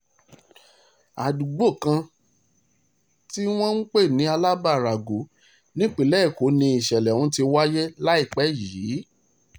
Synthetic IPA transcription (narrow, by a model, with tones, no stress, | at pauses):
a˨du˨ɡ͡bo˦˨kã˧ | ti˦w̃ɔ̃˦n̩˦k͡pe˦˨nĩ˨˦a˧la˦ba˦˨ɾa˨ɡo˨ | nĩ˦k͡pi˨˦lɛ˦˨ko˨˦nĩ˧i˨ʃɛ˨lɛ˨ũ˨˦ti˧˦wa˦je˦la˦i˦˨k͡pɛ˨˦jiiː˨˦